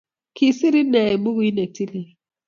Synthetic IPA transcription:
kʰi˨si˦ɾi˦nɛ˨i˨bu˦ɣi˦nɛ˨ti˦li˨

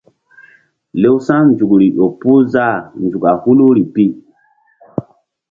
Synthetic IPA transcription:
le˦wsã˦n˦d͡ʒu˨kɾi˨ʔo˨pu˦za˦˨n˨d͡ʒu˨ka˨hu˦lu˦ɾi˨pi˦

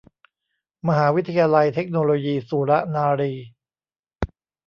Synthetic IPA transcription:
ma˧ɦaː˩˦wi˦˥t̪ʰːa˧jaː˧la˧jt̪ʰe˦˥k̚noː˧loː˧jiː˧suː˨˩˦ɾa˦˥naː˧ɾiː˧

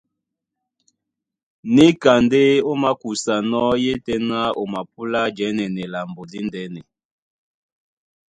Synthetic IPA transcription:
ne˦ka˨nde˦o˦ma˦ku˨sa˨nɔ˦je˦tɛ˦na˦o˨ma˨p̚u˦la˦d͡ʒɛ˨˦nɛ˨nɛ˨la˨mbo˨di˦ndɛ˨˦nɛ˨

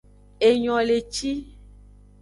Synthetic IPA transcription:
e˨ɲɔ̃˨le˨t͡ʃi˦

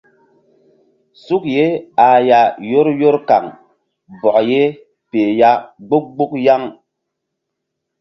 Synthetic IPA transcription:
su˦k̚je˦a˨ja˨jo˦ɾjo˦ɾka˨ŋ | bɔ˨ʔje˦ | pe˨ja˦ɡ͡bu˦k̚ɡ͡bu˦kja˦ŋ

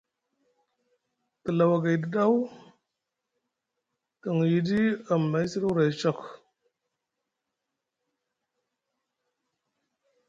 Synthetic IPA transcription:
kə˨la˨wa˨ɡa˨di˨ɗa˦w | tə˨ŋ˨ji˨˦di˦a˨mːa˨˦si˦du˦ɾa˨jt͡ʃa˦˨k

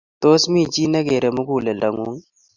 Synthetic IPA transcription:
to˦smi˦˨t͡ʃi˦na˦ɡe˨ɾe˨mu˦ɡu˨le˨la˨ŋu˦ŋ

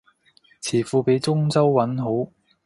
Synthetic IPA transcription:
t͡sʰiː˨˩fuː˧pe˨˥jt͡sʊ˥ŋt͡sɐ˥wːɐ˨˥nɦo˨˥w

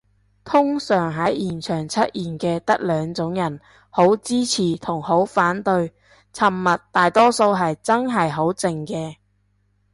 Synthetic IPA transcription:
t̪ʰʊ˥ŋsœː˨˩ŋɦɐ˨˥jjiː˨˩nt͡ʃʰœː˨˩ŋt͡sʰɐ˥t̚jiː˨˩nkɛː˧t̪ɐ˥k̚lœː˨˧ŋt͡sʊ˨˥ŋjɐ˨˩n | ho˨˥wt͡siː˥t͡sʰiː˨˩t̪ʰʊ˨˩ŋho˨˥wfaː˨˥nt̪ɵ˧ɥ | t͡sʰɐ˨˩mːɐ˨t̪ːaː˨jt̪ɔː˥so˧wɦɐ˨jt͡sɐ˥ŋɦɐ˨jɦo˨˥wt͡sɪ˨ŋkɛː˧

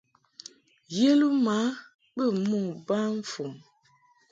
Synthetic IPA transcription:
je˦lu˦ma˨˦ | bə˦˨mu˦˨ba˦ɱ˦fu˨ŋ

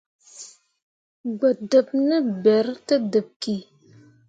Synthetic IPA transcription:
ɡ͡ba˨də˨p̚nə˦be˨ɾtə˦də˨p̚ki˨

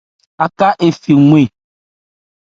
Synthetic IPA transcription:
a˨ka˦ʔe˨fi˨ŋ̃ʷ˦e˨

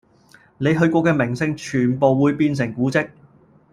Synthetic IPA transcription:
ne˨˧jɦɵ˧ɥkɔː˧kɛː˧mɪ˨˩ŋsɪ˧ŋt͡ʃʰyː˨˩npo˨˧wwuː˨˧jpiː˧ns̬ɪ˨˩ŋkuː˨˥t͡sɪ˥k̚

